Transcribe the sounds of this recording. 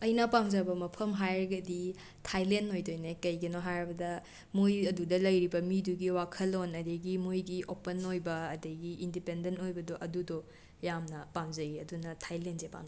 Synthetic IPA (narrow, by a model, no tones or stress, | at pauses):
ɐjnɐpamzɐbɐmɐpʰɐmɦajɾɐɡɐdi | tʰajlentojdojnekɐjɡɐnoɦajɾɐbɐdɐ | mujɐdudɐlɐjɾibɐmiduɡiwakʰɐlonɐdeɡimujɡiʔopenojbɐːdeɡiindipendentojbɐdoʔɐdudo | jamnɐpamzɐiɐdunɐtʰajlensepa̰n